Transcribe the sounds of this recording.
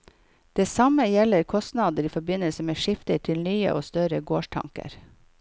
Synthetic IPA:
d̪̥eːsɑməjɛləɾkʰɔst̪nɑːd̪əɾiːfɔɾbɪnəlsəmeːʃɪft̪əʈ̪ʰɪlnyːə̰ʔo̰ːst̪œɾəɡoːʃʈʰɑ̰ŋkə̰ɾ

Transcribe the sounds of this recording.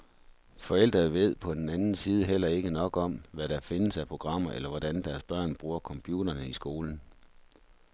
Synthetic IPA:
fɒ̽el̰d̥ʁɐðˠʋe̝ð̞̰ˠpʰɒ̽d̥en̩ænn̩siːð̞ˠəɦel̰ɐe̝ɡ̥ənɒ̽ɡ̥ɒ̽mʋæɾ̥ɑ̈fe̝nəsæpʰʁo̝ɡ̥ʁɑ̈m̰ɐʔelɐʋɒd̥ænd̥æɐsb̥ɶɐ̰nb̥ʁuːɐkʰɒ̽mpʰjuːɾ̥ɐnəisɡ̥o̝ːln̩

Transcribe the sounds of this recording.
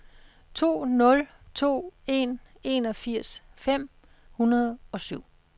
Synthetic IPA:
t͡sʰo̝̰ːnɔ̽lt͡sʰo̝̰ːe̝n | e̝nɒ̽fiɐ̰sfem̰ | hunɐð̞ˠɒ̽syʊ̰

